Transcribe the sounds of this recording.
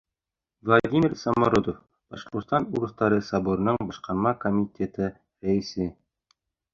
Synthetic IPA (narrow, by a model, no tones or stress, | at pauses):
vlˠad̪ʲimʲirsɑmoɾod̪of | b̥ɑʃqŏɾt̪t̪ɑnuɾɤ̆θt̪ɑɾɤsɑboɾɤ̆nɤɴbɑʃqɑɾmɑkomʲitʲet̪ɘ | ɾæɘ̆sɘ